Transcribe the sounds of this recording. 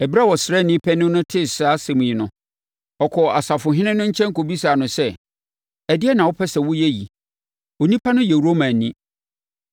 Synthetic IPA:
ɛ˨bi˦ɾa˦wɔ˨sɾɛ˦˨nɪ̃˦pʰɛ˦nɪ̃˦nʊ̃˦tʰɪ˦sa˦sɛ̃˨mũ˨jɪ˨nʊ̃˨ | ɔ˨kʰɔ˨a˨sa˨fʊ˨ɦɪ̃˦nɪ̃˦nʊ̃˦ɲ̩˦t͡ɕʰɛ̃˦ŋ̩˦kʰo˨bi˦saː˨nʊ̃˨sɛ˦ | ɛ˨dɪ˦ɛ˦nã˨wɔ˦pʰɛ˦sɛ˨wʊ˦jɛ˦jḭ˨ | o˨nĩ˦pʰa˦nʊ̃˦jɛ˨ɾo˦mã˨nːĩ˦

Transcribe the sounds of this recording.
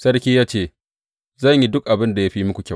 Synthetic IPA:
sɐ˦rkʲiː˦jaː˦t͡ʃeː˦˨ | zɐ˦˨ɲji˦dʊ˦k̚ʔa˨bɪ˦nda˨ja˦ɸiː˦mʊ˦kʷu˨kʲa˦˨

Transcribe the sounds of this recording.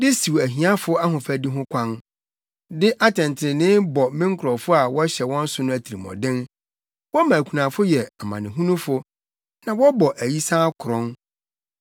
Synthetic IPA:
dɪ˦si˨wæ˨ɦĩ˨˦ã˦fʊ˦a˦ɦʊ̃˨fæ˨di˦ɦʊ̃˦kʷʰã˦n | dɪ˦ʔa˦tʰɛ̃˨n˨tʰɪ˨ɾɪ˨nɪ̃˦bɔ˨mɪ̃˦ŋ̩˦kʰʊ˨ɾɔ˨fʊ˦a˨wɔ˦ɕɛ˨wɔ̃˦n̩˦sʊ˦nʊ̃˦æ˨tʰi˨ɾi˨mɔ̰˨dɪ̃˦n | wɔ˦mã˨kʰʷu˨nã˨fʊ˦jɛ˨a˨mã˨nɪ̃˨ɦũ˦nũ˦fʊ˨ | nã˨wɔ˦bɔ˨ʔæ˨ji˦sãː˦kʰʊ˨ɾɔ̃˦n

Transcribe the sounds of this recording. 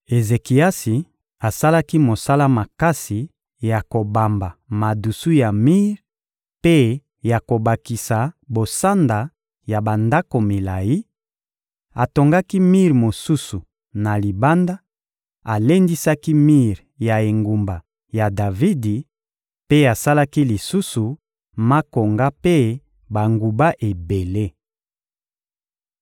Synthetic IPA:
e˨ze˨ki˨a˦si˨ | a˨sa˦la˦ki˦mo˨sa˦la˦ma˨ka˦si˨ | ja˨ko˨ba˨mba˨ma˨du˨su˦ja˨mi˦ʁ | pe˦ | ja˨ko˨ba˨ki˨sa˨bo˨sa˦nda˨ | ja˨ba˨nda˦ko˨mi˨la˨ji˦ | a˨to˨ŋɡa˦ki˦mi˦ʁmo˨su˦su˨ | na˨li˨ba˦nda˦ | a˨le˦ndi˦sa˦ki˦mi˦ʁja˨e˨ŋɡu˨mba˨ | ja˨da˨vi˦di˨ | pe˦a˨sa˦la˦ki˦li˨su˦su˨ | ma˦ko˨ŋɡa˦pe˦ | ba˨ŋɡu˨ba˦ʔe˨be˨le˦

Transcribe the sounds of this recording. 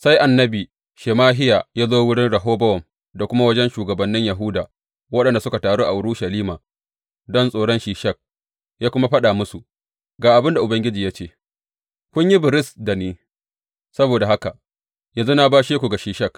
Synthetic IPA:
sa˦jʔa˨nːɐ˦biː˨ | ʃeː˨maː˦ɦɪ˦jaː˨jaː˦zoː˦wʊ˦ɽɪ˦nɽɐ˨ɦoː˦bɐ˦wɔ˨m | da˨kʷʊ˦ma˦wɐ˦d͡ʒɛ˦nʃuː˨ɡɐ˨bɐ˨nːɪ˦ɲja˨ɦʊ˦daː˨ | wɐ˦ɗɐ˨nda˨sʊ˦ka˨taː˨ɽoː˦ʔa˨ʔʊ˨˦ɽu˦ʃa˨liː˦maː˨ | dɔ˦nsʼoː˨ɽɔ˦nʃiː˨ʃɐ˦˨k̚ | jaː˦kʷʊ˦ma˦ɸɐ˦ɗaː˨mʊ˦su˨ | ɡaː˨ʔa˨bɪ˦nda˨ʔʊ˨bɐ˦ŋɡʲɪ˦d͡ʒiː˨jaː˦t͡ʃeː˦˨ | kʷʊ˦ɲji˦bɪ˨ɾɪ˦sda˨niː˦ | sɐ˦boː˨da˨ɦa˦ka˨ | jɐ˨nzu˦na˦baː˦ʃeː˦kʷu˨ɡa˨ʃiː˨ʃɐ˦˨k

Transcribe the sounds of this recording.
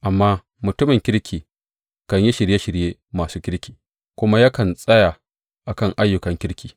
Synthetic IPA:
ʔa˨mːaː˦ | mʊ˨tʊ˦mɪ˨ŋkʲɪ˦ɽkʲʰiː˨ | kɐ˨ɲji˦ʃɪ˨ɾje˦ʃɪ˨ɽjeː˦maː˨suː˦kʲɪ˦ɾkʲiː˨ | kʷʊ˦ma˦ja˦kɐ˨nsʼɐ˦ja˨ | ʔa˨kɐ˦˨ŋʔa˦jːʊ˨kɐ˨ŋkʲɪ˦ɽkʲiː˨

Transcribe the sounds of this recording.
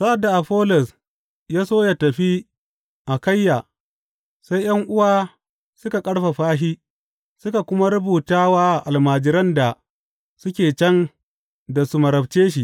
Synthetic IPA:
sa˦ʔa˨da˨ʔa˨ɸoː˦lɔ˨s | jaː˦soː˦ja˨tɐ˨ɸi˦ | ʔa˨kɐ˦jːaː˨ | sa˦jj̰ɐ˦ŋʔʊ˦waː˦ | sʊ˦ka˨kʼɐ˦ɽɸa˨ɸaː˦ɦiː˦ | sʊ˦ka˨kʷʊ˦ma˦ɾʊ˦buː˨taː˦waː˦ʔa˨ʔa˨lmaː˨d͡ʒɪ˦ɾɐ˦nda˨ | sʊ˦kʲeː˨t͡ʃɐ˦n | da˨su˦mɐ˨ɾɐ˨bt͡ʃeː˦ʃi˨ʔ

